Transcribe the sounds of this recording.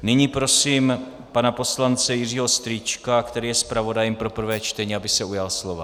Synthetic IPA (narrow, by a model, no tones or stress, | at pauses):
nɪɲiːpɾo̞siːm | panapo̞slant͡sɛjɪriːɦo̞st̪ɾiːt͡ʃkakt̪ɛɾiːjɛspɾavo̞dajɛmpɾo̞pr̩vɛːt͡ʃt̪ɛɲiːabɪsɛujalslo̞va̰